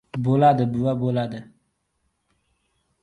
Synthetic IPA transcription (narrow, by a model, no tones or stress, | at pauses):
bolad̪ɨbɨwabolad̪ə